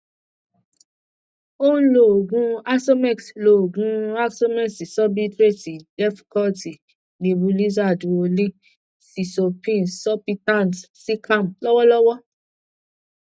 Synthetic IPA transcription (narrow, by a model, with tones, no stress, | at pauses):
õ˦lo˨o˨ɡũ˨˧a˦so˦mɛ˦˨kslo˨o˨ɡũ˧a˦so˦mɛ˦˨si˨sɔ˦bi˦tɾe˦˨ti˨dɛ˦fkɔ˦ti˨ | nĩ˧bu˧li˦za˦˨dũ˨o˧lĩ˦ | si˨so˧pĩ˦˨n˨sɔ˦pi˦tã˦˨ntsi˦kʰã˦˨m̩˨lɔ˦wɔ˦lɔ˦wɔ˦